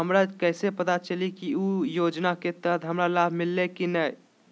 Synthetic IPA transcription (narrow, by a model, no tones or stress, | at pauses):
ɦəmɾakəɪsepət̪at͡ʃəlikiujod͡ʒnaket̪əd̪ʱɦəmɾalabʱmilːekinəj